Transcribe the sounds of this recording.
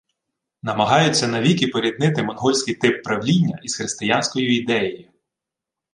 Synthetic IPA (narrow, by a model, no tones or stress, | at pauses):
nɐmɐɦɑjʊt͡sʲːɐnɐʋʲikipɔɾʲid̪nɪt̪ɪmɔnɦɔlʲsʲkɪjt̪ɪpːɾɐwlʲinʲːɐ̰ʔisxɾɪst̪ɪjɑnʲsʲkɔjiid̪ɛjɔjʊ